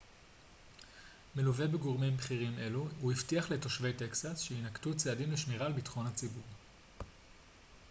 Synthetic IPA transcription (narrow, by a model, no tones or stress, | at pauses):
meluve̞beɡoʁmimbχiʁime̞luuiftiaχle̞to̞ʃve̞jte̞ksasʃeinaktut͡seadimleʃmiʁalbitχo̞nhat͡sibuʁ